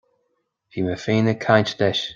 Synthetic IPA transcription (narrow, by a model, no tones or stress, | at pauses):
fiməfiːnəkʰajt͡ʃd̪ɛʃ